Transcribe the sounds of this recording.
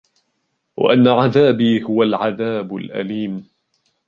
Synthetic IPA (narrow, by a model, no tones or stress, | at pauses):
wa̰ʔanːaʕaðaːbiːhʊwalʕaðaːbʊlʔa̰liːm